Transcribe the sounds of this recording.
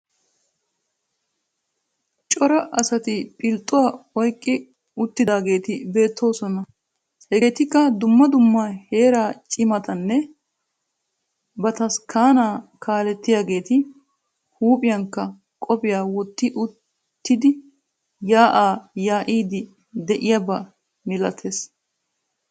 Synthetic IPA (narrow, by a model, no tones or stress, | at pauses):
t͡ʃʼɔɾɐʔɐsɐt̪ɪpʼɪlt̪ʼːʊwaːɔjkʼːɪ | ʊt̪ːɪd̪aːɡe̞ːt̪ɪbe̞ːt̪ːo̞ːsɔnɐ | hɛɡeːt̪ɪkːɐd̪ʊmːɐd̪ʊmːaːhe̞ːɾaːt͡ʃʼɪmɐt̪ɐnːɛ | bɐt̪ɐskʰaːnaːkʰaːlɛt̪ːɪjaːɡe̞ːt̪ɪ | huːpʼɪjɐŋkːɐ | kʼɔpɪjaːwɔt̪ːɪʔʊ | t̪ːɪd̪ɪ | jaːʔaːjaːʔiːd̪ɪ | d̪ɛʔɪjabɐ | mɪlɐt̪ʰes